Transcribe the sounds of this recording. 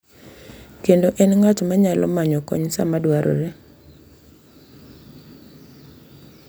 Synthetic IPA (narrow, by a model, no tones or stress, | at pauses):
kendoʔɛnŋatmaɲalɔmaɲɔkɔ̰ɲsamadwaɾʔɔ̰ɾe